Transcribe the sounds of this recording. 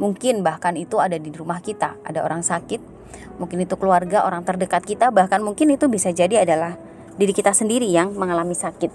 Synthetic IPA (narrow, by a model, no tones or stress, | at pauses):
muŋkɪnbahkanit̪uadadiɾumahkit̪aa̰dao̰ɾaŋsakɪt̪̚ | muŋkɪnit̪ukəluarɡaʔoɾaŋt̪ərdəkat̪̚kit̪abahkanmuŋkɪnit̪ubisad͡ʒadiadalah | diɾikit̪asəndiɾijaŋməŋalamisakɪt̪̚